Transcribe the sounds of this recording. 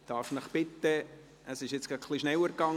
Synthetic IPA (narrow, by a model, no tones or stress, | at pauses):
d̥̪ɑːɾfnəχpɪt̪ːə | əsɪʃjɪt͡skɑkχliʃnɛwəɾkɑŋ